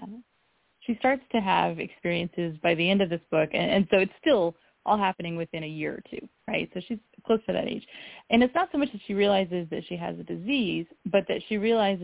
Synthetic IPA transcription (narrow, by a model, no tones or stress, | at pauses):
ʃistɑɹtstʰɨəvɨ̰kspɪɹiɨ̃nsɪzbaɪðiɛ̃ndʌvðɪsb̥ʊkɨ̰̃nɨ̰̃nsoʊɨtstɪlˠ | ʔɔ̰lˠɦæpɨnɪ̃ŋwɨθɪ̃ɾ̃ɨjɪɹə̰˞tʰʉ̰ɹa̰ɪtsoʊʃiz̥kʰl̥oʊsfə˞ðɨ̰ɾḛɪ̥ʒ̥ʔɨ̃ñɨtsnətsoʊmʌt͡ʃðɨtʃiɹiəlaɪzɨzðɨtʃiɨ̰zɨdɨzizb̥ʌt̪̚ðɨtʃiɹiəlaɪz